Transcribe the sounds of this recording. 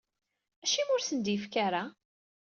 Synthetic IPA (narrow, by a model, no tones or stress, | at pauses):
æʃimʊɾsənd̪jəfkaɾa